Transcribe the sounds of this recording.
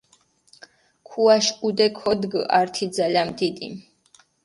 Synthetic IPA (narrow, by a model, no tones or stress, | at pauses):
kʰuaʃud̪ɛkʰɔd̪ɡaɾt̪ʰid̪zalanmd̪id̪ḭ